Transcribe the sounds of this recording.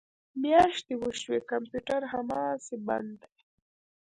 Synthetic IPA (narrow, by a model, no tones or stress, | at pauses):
mjɑːʃt̪ewəʃwekampjuʈaɾɦamɑːseba̰nd̪aj